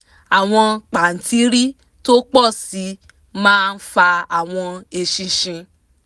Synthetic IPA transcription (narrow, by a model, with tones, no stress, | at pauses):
a˨w̃ɔ̃˧k͡pa˨n̩˨tʰi˨˦ɾi˦ | to˦k͡pɔ˦˨si˨˦ | mãː˦˧n̩˦fa˧a˨w̃ɔ̃˧e˧ʃĩ˧ʃĩ˧